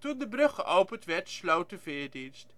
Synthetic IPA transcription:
tundəbrɵχəʔowpəntʋɛɹtslowtəfɪːɹdinst

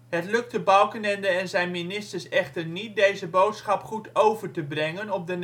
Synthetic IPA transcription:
ɦətlɵk̚təbɑwˠkənɛndəɛnzɛjnminɪstəɹsɛχtəɹnit̚dejzəbowtsχɑpχutʰowvəɹtəbrɛŋənɔp̚dən

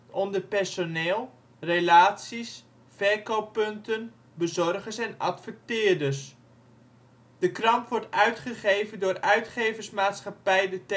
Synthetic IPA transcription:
ɔndəɹpɛɹsoneːlˠ | relaːtsis | fɛɹkowpːɵntən | bəzɔrχəsɛnɑ̰tfək̚tɪːɹdəs | d̥əkrɑmpʋɔɹtœɥtχəχejvəndʊːɾœɥtχejvəsmaːtsχɑpɛjdət

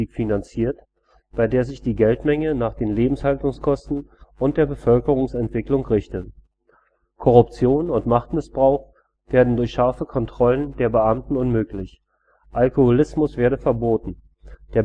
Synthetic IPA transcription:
iːkfinant͡siːɐt | b̥aɪdeːɐzɪçd̥iːɡɛltmɛŋənaːχd̥eːnleːbm̩shaltʊŋskʰɔstn̩ʔʊntd̥eːɐbəfœlkəʁ̞ʊŋsɛntv̥ɪklʊŋʁɪçtə | kʰɔʁʊpt͡sjoːnʊntmaχtmɪsb̥ʁaʊx | v̥eːɐdn̩dʊɐçʃaɐfəkʰɔntʁ̥ɔləndeːɐbəʔamtn̩ʊnmøːklɪç | ʔalkohʊlɪsmʊsv̥eːɐdəfɛɐboːtn̩ | d̥eːɐ

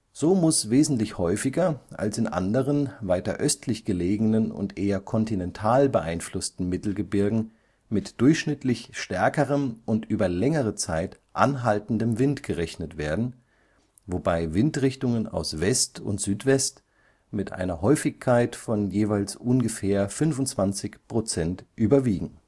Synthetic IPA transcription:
z̥oːmʊsveːzn̩tlɪçhɔʏfɪɡɐʔa̰lsɪnʔa̰ndəʁənvaɪtɐ̰ʔœstʰlɪçɡ̥əleːɡnənʊ̰ntʔeːɐkʰɔntinɛntʰaːlbəʔaɪnflʊstn̩mɪtl̩ɡəbɪɐɡŋ̩ | mɪtd̥ʊɐçʃnɪtʰlɪçʃtɛɐkəʁəmʔʊntʔyːbɐlɛŋəʁət͡saɪtʔa̰nɦaltn̩dəmvɪntɡ̥əʁɛçnətv̥eːɐdn̩ | vobaɪvɪntʁɪçtʊŋəna̰ʊsv̥ɛstʊ̰ntz̥yːtv̥ɛst | mɪtʔa̰ɪnɐɦɔʏfɪçkʰːaɪtfɔnjeːvaɪlsʔʊnɡəfeːɐfʏnvʊntt͡sv̥ant͡sɪçpʁ̥ot͡sɛntʔyːbɐviːɡŋ̩

